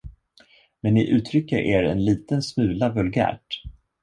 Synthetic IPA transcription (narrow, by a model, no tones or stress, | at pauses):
mɛnːɪʔʉ̟ːt̪ʰɾʏkːəɾʔeːɾɛ̰nliːt̪ənsmʉ̟ːlavɵlɡæ̰ːʈ